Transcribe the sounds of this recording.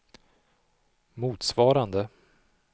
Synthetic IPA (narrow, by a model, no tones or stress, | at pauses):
muːt̪svɑːɾand̪ə